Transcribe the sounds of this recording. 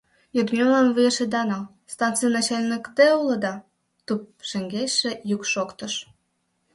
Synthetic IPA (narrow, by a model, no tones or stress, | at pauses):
jod̪mʲemlɑnvɯjeʃed̪ɑnɑ | st̪ɑnt̪t͡sɨjnɑt͡ɕelʲnəkt̪eulɤ̆d̪ɑ | t̪up̚ʃĕŋɡeʃĕjukʃokt̪ə̆ʃ